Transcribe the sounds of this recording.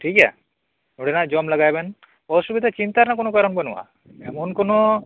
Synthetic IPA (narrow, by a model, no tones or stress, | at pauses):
ʈʰika̰ | nuɽinad͡ʒɔmlaɡajben | ɔʃubid̪ʱat͡ɕint̪aɾnakonokaɾonbɔnuwa̰ | ɛmonkono